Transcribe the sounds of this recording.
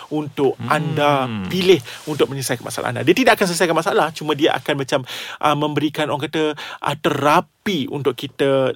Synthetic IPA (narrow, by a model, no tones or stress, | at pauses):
unt̪ʊʔʔandapilɪhunt̪ʊk̚mə̃ɲəsajkanma̰sa̰la̰ʔa̰nda̰diat̪idaʔakans̬ələsajkanmasaalaht͡ʃumə̃diaʔa̰kanmat͡ʃamʔəmːə̃mbəɾikanʔo̰ɾaŋkat̪əʔə̰t̪əɾapiṵnt̪ʊʔkit̪a